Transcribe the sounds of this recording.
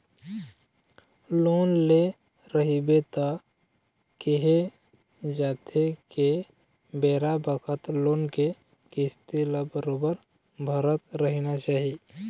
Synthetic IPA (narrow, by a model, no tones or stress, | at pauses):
loːnle | ɾəɦibet̪a | keɦe | d͡ʒaːt̪ʰeke | beːɾabəkʰət̪loːnkekɪst̪eləbəɾoːbəɾbʱəɾət̪ɾəɦinat͡ʃaːɦi